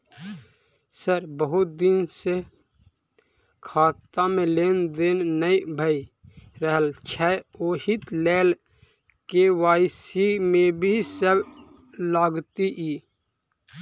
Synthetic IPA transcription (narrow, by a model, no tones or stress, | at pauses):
səɾbəɦʊt̪̚d̪ɪnse | kʰaːt̪amẽleːnd̪eːnnəibʱəiɾəɦəlt͡ʃʰɛoːhit̪lɛːl | kewaːsimẽbʱisəb | laːɡt̪iʔiː